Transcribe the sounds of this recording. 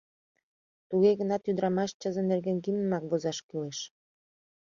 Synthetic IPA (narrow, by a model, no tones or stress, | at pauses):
t̪uɣeɣənɑt̪jyd̪əɾɑmɑʃt͡ɕəzə̆nerɣenɡinəmɑk̚vozɑʃkyleʃ